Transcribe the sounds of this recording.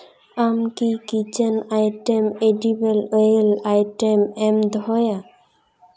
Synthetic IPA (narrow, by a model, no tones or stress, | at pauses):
amkikit͡ʃenajʈemeɖibelojlajʈemɛmd̪ʱɔja